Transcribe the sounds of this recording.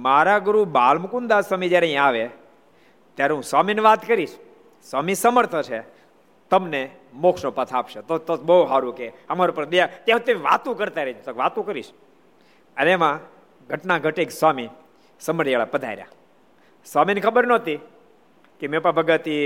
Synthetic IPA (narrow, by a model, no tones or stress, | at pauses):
maɾaɡuɾubalməkund̪asamid͡ʒjaɾeĩaʋe | t̪jaɾeɦũswamineʋat̪kəɾiʃ | swamisəməɾt̪ʰət͡ʃʰe | t̪əmne | mokʂnopət̪ʰapʃet̪ot̪obəuɦaɾukeəmaɾopəɾd̪əjat̪jãɦt̪eʋa̰t̪ũkəɾt̪aɾed͡ʒt̪əkʋat̪ũkəɾḭʃ | ənemã | ɡʱəʈnaɡʱəʈekswami | səməɾjeɭapəd̪ʱa̰iɾja̰ | swaminekʰəbəɾnɔt̪i | kemẽpabʱəɡət̪i